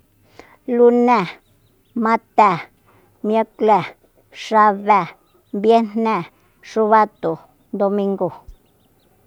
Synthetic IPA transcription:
lu˦nɛ˦˨ | ma˦t̪ɛ˨ | mje˦klɛ˨ | ʂa˧βɛ˦˨ | mbje˦nnɛ˦˨ | ʂu˦βa˦t̪u˨ | d̪o˧mi˧ŋɡo˨

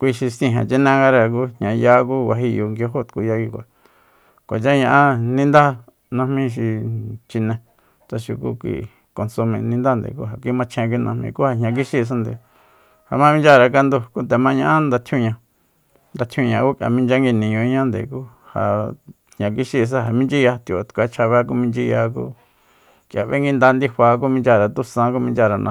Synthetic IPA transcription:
kʷi˧ʃi˧sĩ˧ɦḛ̃˧˨t͡ʃi˦nẽ˦ŋɡa˦ɾa˧k̬u˦ɲɲã˧ja˧˦ku˦kʷa˧ɦi˧jo˧ŋɡo˧ɦo˦˨t̪ku˧ja˧ɡi˧kʷa̰˨ | kʷa˨t͡ʃa˦ɲã˧ʔã˦nĩ˦nd̪a˦ | nã˧hmĩ˦ʃ̬i˧t͡ʃi˧nẽ˧ | t͡sa˧ʃu˧kṵ˦kʷḭ˧˨ | ko˧nsu˧mḛ̃˧nĩ˧nd̪a˦nd̪ḛ˨kṵ˦ɦa˨kʷi˧˦mã˧t͡ʃʰẽ˧k̬ʷi˧nʔã˧hmĩ˧ku˦ha˧ɲã˧k̬i˦ʃi˦˧s̬o˧nd̪ḛ˧˨ | ha˨mã˦mĩ˦nd͡ʒa˦˧ɾa˧ka˧nd̪u˧ku˦nt̪̬e˨mã˦ɲã˦ʔã˦nd̪a˧t̪ʰjũ˦˧ɲã˧ | nd̪a˧t̪ʰũ˦˧ɲã˧ku˦kja̰˨mĩ˦nd͡ʒa˦ŋɡi˧nĩ˧ɲõ˧˦ɲã˦nd̪ḛ˨kuː˦ | ha̰˧˨ | hɲã˧k̬i˦ʃi˧s̬a˦ɦa˨mĩ˦nd͡ʒi˦ja˧t̪i˨o˨˧t̪kʷa˧˦t͡ʃʰa˧βe˧˦k̬u˦mĩ˧t͡ʃi˧ja˧k̬ṵ˦ | kja˨βḛ˦ŋɡi˧nd̪a˧nd̪i˦hʷaː˧k̬u˦mĩ˧nd͡ʒa˧ɾa˨t̪u˦sã˧˦ku˦mĩ˧nd͡ʒa˧ɾa˧nʔã̰˧

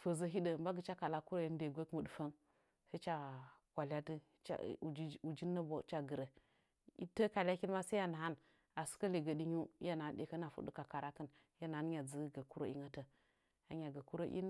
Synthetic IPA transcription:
fə˨zə˦ɦi˦də˨mba˦ɡə˨t͡ʃa˦ka˨la˦ku˦ɾo˦ji˦n˦de˨ɡʷe˦kmə˨du˨fa˦n | sa˦t͡ʃa˦kʷa˨lʲa˦tɨ̰˦˨˦ | u˨d͡ʒi˦nːə˦bo̰˨˦t͡ʃa˦ɡə˨ɾə˨ | ḭ˦tə˦ka˨lʲa˦ki˦lma˦sa˦a˦˨na˨ɦa˦n | a˨su̥˦kə˦li˨ɡə˨di˦ɲu˦ja˦˨na˨a˦n˦de˨kə˦na˨fṵ˦dṵ˦ka˨ka˨ɾa˦kə˦n˦ja˦na˨a˦n˦ɲa˨d͡zə˦ɡa˨ku˦ɾo̰˦ḭ˦ŋa˦tə˨ | a˨ɲa˨ɡa˨ku˦ɾo̰˦ʔḭ˦n˦

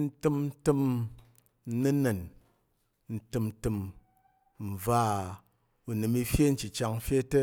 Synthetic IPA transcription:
n̩˦tɨ˦m̩˦tɨ˦m̩˦ | nɨ˦nɨ˨n | n̩˦tɨ˧m˦tɨ˧m | m̩˨b͡va˦˨ | u˨nɨ˨mi˧fje˦n̩˦t͡ʃi˨t͡ʃa˧ŋ˦fje˦te˦

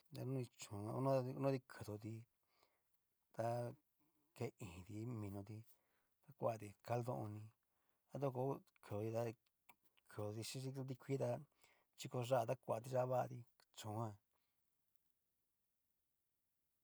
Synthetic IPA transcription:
d̪a̰˧nũ˦ĩ˧t͡ʃõ˨ã˧u˦nã˦˧u˦nõ˦t̪i˧kʰɨ˨ðo˨t̪i˧ | t̪a˧ | ke˧˦ĩ˨t̪i˧˦mĩ˧nõ˧t̪̬i˧ | t̪a˦˧kʷa˧t̪i˧ka˧ld̪õ˧ʔõ˧nĩ˧ | a˦t̪̬o˦˧ko˧˦kʰɨ˨o˧i˧t̪a˧ | kʰɨ˨ðo˧t̪i˧ʂĩ˦ʃi˧õ˧t̪̬i˧kʷi˦t̪a˧ | t͡ʃi˧ko˧ʐa˦a˧t̪a˦kʷa˨t̪i˧ʐa˦˧βa˦ʔt̪i˧ | t͡ʃõ˨˦ã˧

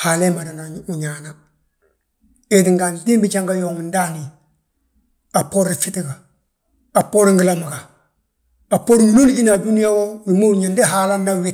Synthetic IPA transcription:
ha˨le˦ma˨da˨na˨u˨ɲa˨na˨ | e˦ti˨ŋɡa˨ndi˦mbi˦t͡ʃa˦ŋɡa˦jo˨ŋi˨nda˦ni˨ | a˨pːo˦ɾi˨fi˦ti˦ɡa˨ | a˨pːo˦ɾi˦ŋɡi˦la˦mi˨ɡa˨ | a˨pːo˦ɾi˦ŋi˦lo˦li˦i˦na˨du˦ni˦ja˦wo˦mi˨mo˦˨ɲa˨nde˦ɦa˦la˦nda˦wɪ˦

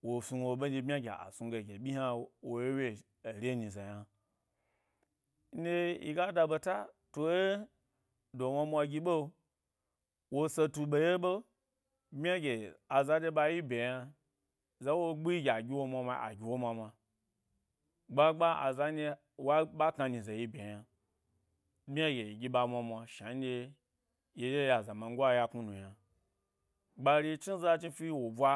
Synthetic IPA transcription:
wo˨fi˨wo˨ɓe˦d͡ʒe˧bmʲ˦a˦ɡʲḛ˨a̰˨su˨ɡe˨ɡʲe˨ɓʲi˦ha˦wo˨je˦we˦˨ | ɾʲe˦ɲi˨za˨ja˦ | n̩˦de˦ḭ˨ɡa˦da˧be˧ta˦to˨je˦ | do˨ma˧mʷ˦a˧ɡʲi˧ɓo˦ | wo˦se˧tu˧ɓe˧je˦ɓo˦ | bmʲ˦a˦ɡʲe˨a˨za˨˦de˦ɓa˧ji˦bʲe˨ja˧ | za˦wo˦ɡ͡bi˦ɡʲa˨ɡʲi˦wo˧mʷa˧ma˧a̰˨ɡʲi˨wo˦ma˧ma˧ | ɡ͡ba˦ɡ͡ba˦a̰˨za˧˦i˧ | wa˦ɓa˦ka˧nĩ˨za˨ji˦be˨ja˧ | bʲa˦ɡʲe˨ɡʲi˧ɓa˧mʷa˧mʷa˧ʃa˨n˦dʲe˧ | je˨je˦ja˨za˨ma˨˧ŋ˦ɡʷa˦ja˧ku˦nu˨ja˨ | ɡ͡ba˧ɾi˧˦t͡ʃi˦za˦t͡ʃi˦fi˦wo˨bʷa˧

